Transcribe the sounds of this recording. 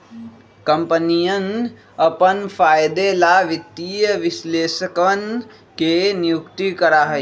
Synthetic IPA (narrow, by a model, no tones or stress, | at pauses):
kɐmpənijən | ɐpənfʰaːjd̪elaʋit̪ːijəʋɪsleːʃəkʋən | kenijukt̪ikɐɾaːɦɐe